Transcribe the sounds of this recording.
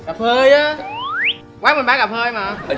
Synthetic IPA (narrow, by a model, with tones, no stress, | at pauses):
ɣa˨˩p̚həː˧jʔaː˨˦ | kwaː˨˦mɨ˨˩nɓaː˨˦˥ɣa˨˩p̚həː˧jmaː˨˩